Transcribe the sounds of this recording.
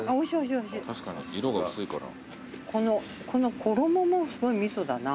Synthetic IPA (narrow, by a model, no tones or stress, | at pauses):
aoiɕoiɕioiɕit̪aɕi̥kaɲḭiɾoɡasɨikaɾa̰ | kʰo̞no̞ | kʰo̞no̞kʰo̞ɾo̞momo̞sɨɡo̞imʲiso̞d̪ana